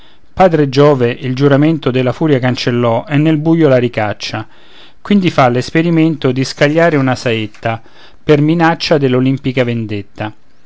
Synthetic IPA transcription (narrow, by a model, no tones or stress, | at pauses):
paːd̪ɾed͡ʒɔːveʔild͡ʒuɾament̪od̪elːafuːɾjakant͡ʃelːɔʔɛnːelbujːolaɾikat͡ʃːa | kwind̪ifalːespeɾiment̪od̪iskaʎːaːɾeunasaet̪ːa | perminat͡ʃːad̪elːolimpikavend̪et̪ːa